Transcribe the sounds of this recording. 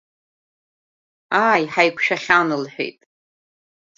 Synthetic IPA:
aːjħajkʷʰʃᶣaχʲanɨlħʷᶣḛjtʼ

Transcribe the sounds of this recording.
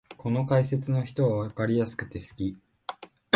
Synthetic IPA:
ko̞no̞kaise̞t͡sɨno̞çi̥t̪o̞βaβakaɾʲijasɨ̥kɯ̟̥t̪e̞sɨ̥kʲi

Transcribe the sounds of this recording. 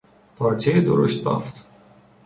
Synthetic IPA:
pʰɒːɾt͡ʃʰejed̪o̰ɾo̰ʃt̪̚bɒ̰ːft̪

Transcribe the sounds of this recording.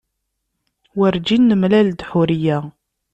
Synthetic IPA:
wəɾd͡ʒinːəmlæld̪ħuɾijæ

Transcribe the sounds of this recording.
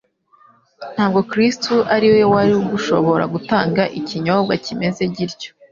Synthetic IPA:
n̥haːb̚ɡo̞kɾistuʔaɾiwewaɾiuɡuʃo̞̰βo̞ɾa̰ɡutaːŋɡaʔiciɲobɡacime̞ze̞ɟiɾco

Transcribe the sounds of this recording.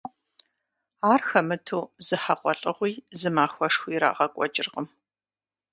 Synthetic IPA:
aːrxɐmɨtʰuːz̥ɨħaqʷʼɔɬʼəʁʷiːzɨmaːxʷɔʂxʷiːɾa̰ːʁɐkʷʼɔ̰d͡ʒʼɪrʁəm

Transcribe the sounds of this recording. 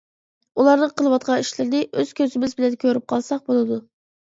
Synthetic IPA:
ulˠɑɾd̪əqʰəlˠwɑt̪̚qʰɑiʃlɪɾd̪ɪʔøz̥kʲʰøzɪmɪzbɪlɛnkʲʰøɾyp̚qʰɑlˠsɑq̚bolˠɨd̪u

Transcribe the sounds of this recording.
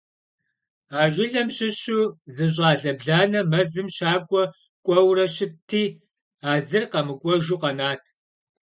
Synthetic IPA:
aːʒɪɮɐmɕɪɕuzɨʑ̬ʼaːɮɐbɮaːnɐmɐzɨmɕaːkʷʼɔ | kʷʼɔwrɐɕɪtʰːiː | aːzɨrqɐmɨkʷʼɔʒuqɐnaːtʰ

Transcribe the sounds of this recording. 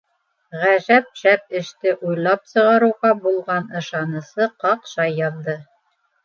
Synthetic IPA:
ʁæʒæp̚ʃæp̚ɘ̆ʃt̪ɘʔujlˠɑp̚sɤ̆ʁɑɾuwʁɑbulˠʁɑnɤ̆ʃɑnɤ̆sɤqɑqʃɑjːɑðdɤ

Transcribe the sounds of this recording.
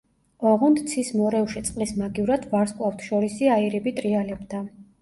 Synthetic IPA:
ɔʁɔnt̪t̪sʰismɔɾɛfʃit̪sʼqʼlismaɡivɾad̪vaɾskʼlˠaft̪ʰʃɔɾisiaiɾibit̪ʼɾialɛbd̪a

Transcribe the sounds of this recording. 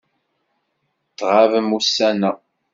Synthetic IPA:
t͡sːʁavəmusːænæ

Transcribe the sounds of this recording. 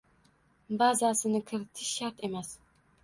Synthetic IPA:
bazasɪnɪkʲʰɪɾɪt̪ʰɪʃːaɾt̪ʰe̞mæs

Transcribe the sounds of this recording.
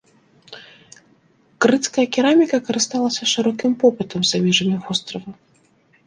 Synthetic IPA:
kɾɨt̪skɐjɐkʲiɾamʲikɐkɐɾɨst̪alˠɐsʲɐʂɨɾɔkʲimpɔpɨt̪ɐmzamʲɛʐɐmʲiɣɔst̪ɾɐvɐ

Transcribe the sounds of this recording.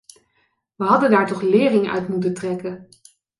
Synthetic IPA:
ʋəɦɑdəndaːɹtɔχlɪːrɪŋœ̰ɥtmutəntrɛkən

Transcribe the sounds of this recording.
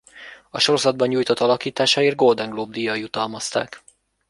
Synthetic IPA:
ɒʃo̞ɾo̞zɒd̪̚bɒɲːujt̪o̞t̪ɒlɒkiːt̪aːʃaeːr̚ɡo̞ld̪ɛŋɡloːb̚d̪ijɒjut̪ɒlmɒst̪a̰ːk

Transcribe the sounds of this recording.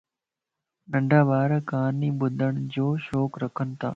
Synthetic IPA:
ɗəɳɖʱaːbaːɾəkaːniːɓʊd̪ʱəɳ̃d͡ʑoːʃoːkɾəkʰənɪ̆t̪ʰa̰ː

